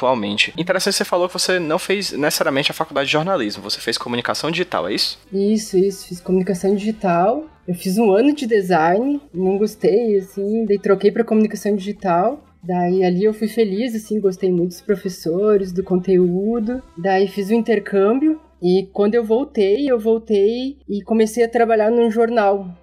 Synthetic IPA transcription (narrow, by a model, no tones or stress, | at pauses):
t̪uawmḛ̃nt͡ʃɪĩt̪eɾesɐ̃t͡ʃɪ̥sefalowkɪvosenɐ̃w̃feznesesaɾiaɐmẽt͡ʃɪɐfakuwd̪ad͡ʒɪd͡ʒɪʒoɾnalizmʊvose̥feskʰomũnikasɐ̃w̃d͡ʒiʒit̪a̰wɛ̰isʊ̥isʊisʊ̥fiskomunikasɐ̃w̃d͡ʒiʒit̪aw | ewfizũɐ̃nʊd͡ʒɪd̪ezajnɪnɐ̃w̃ɡost̪ejasĩd̪ait̪ɾokejpɾɐkomunikasɐ̃w̃d͡ʒiʒit̪aw | d̪aialiewfujfelizasĩɡost̪ejmũj̃t̪ʊd̪ʊ̥spɾofesoɾɪz̬d̪ʊkõnt̪eud̪ʊd̪aifizũĩnt̪eɾkʰɐ̃mbjʊ | ɪkwɐ̃nd̪ʊewvowt̪ejewvowt̪ejɪkomesejɐt̪ɾabaʎaɾnũʒoɾnaw